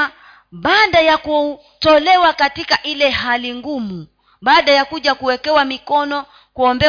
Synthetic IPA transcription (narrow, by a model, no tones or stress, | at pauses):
ɓaːɗajaku | tɔlɛwakatikaʔilɛɦaliŋɡumu | ɓaːɗajakuʄakuwɛkɛwamikɔnɔ | kuɔmbɛ